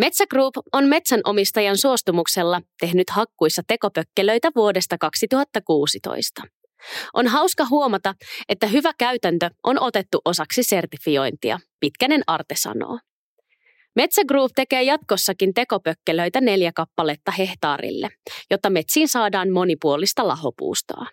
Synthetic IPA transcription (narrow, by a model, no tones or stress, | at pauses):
me̞t̪sæɡ̥ruːpo̞nme̞t̪sænʔo̞mist̪ɑjɑnsuo̞st̪umukse̞lːɑt̪e̞ɦnyt̪hɑkːujsːɑt̪e̞ko̞pøkːelø̞jt̪æʋuo̞de̞st̪ɑkɑksit̪uɦɑt̪ːɑkuːsit̪o̰jst̪ɑ | ʔo̞nɦɑwskɑɦuo̞mɑt̪ɑe̞t̪ːæɦyʋækæɥt̪ænt̪øʔo̞no̞t̪e̞t̪ːuʔo̞sɑksise̞rt̪ifio̞jnt̪iɑ̰pit̪kæne̞nɑrt̪esɑ̰no̰ː | me̞t̪sæɡruːpt̪e̞ke̞ːjɑt̪ko̞sːɑkint̪e̞ko̞pøkːelø̞jt̪æne̞ljækɑpːɑle̞t̪ːɑhe̞ht̪ɑ̰ːrḭlːḛjo̞t̪ːɑme̞t̪siːnsɑːdɑːnmo̞nipuolist̪ɑlɑɦo̞pṵːst̪o̰ː